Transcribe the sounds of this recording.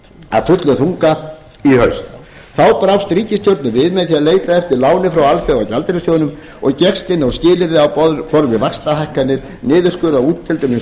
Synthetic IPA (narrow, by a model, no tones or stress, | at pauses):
a̰ðfʏt̪lʏθuŋka | ihœɥst̪ | θawpɾawst̪ɾiːcɪst̪jowɾt̪nʏvɪðmɛðθiaðleːjt̪aɛft̪ɪɾlaːwnɪfɾawalfjawawcalt̪ɾɪsjoːwʏnʏm | ɔɣcɛkst̪ɪnːawscɪːlɪɾðɪawpɔðfɔɾvɪvakst̪aɦajhkanːɪɾ | nɪːðʏ̥skʏːðawuːt̪t̪ʰːɪlt̪ʏmɪn